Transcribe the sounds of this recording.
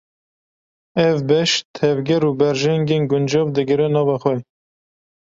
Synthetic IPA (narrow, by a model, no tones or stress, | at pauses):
ɛvbɛʃt̪ʰɛvɡɛɾubɛɾʒɛŋɡeːnɡʊnd͡ʒɑvd̪ɨɡɨɾɛnɑːvɑxwɛ